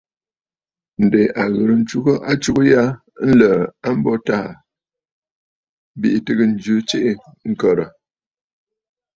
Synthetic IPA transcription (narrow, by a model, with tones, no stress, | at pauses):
n̩˨de˨ʔa˨ɣɨ˨ɾə˨n̩˨t͡ʃu˦ɣə˦ʔa˦t͡ʃu˦kə˦ja˦ | n̩˦lə˨a˦m̩˦bɔ˦ta˦˨ | bi˦˨ʔi˨tɨ˦ɣə˦n̩˨d͡ʒʉ˨˦t͡ʃe˦ʔe˦ŋ̩˨kə˨ɾə˨